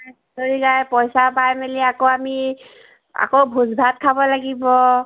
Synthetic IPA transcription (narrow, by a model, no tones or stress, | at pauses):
toɹiɡajpɔjsapajmeliakoami | a̰kowbʱuzbʱat̚kʰabɔlaɡibɔ